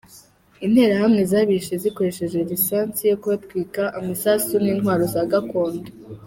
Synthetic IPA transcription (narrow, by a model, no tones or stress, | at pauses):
in̥he̞ːɾahamŋe̞zaːβiʃeziko̞ɾe̞ʃe̞ʒwe̞ɾisaːnt͡sijokuβatkwiːkaʔamasasuniːnhwaːɾo̞zaːɡako̞ːndo̥